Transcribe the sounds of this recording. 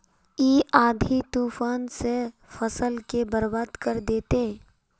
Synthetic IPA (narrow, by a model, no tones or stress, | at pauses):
iːʔaːd̪ʱit̪uːfaːnse | fɐsəlkebəɾbaːd̪kəɾd̪eːt̪e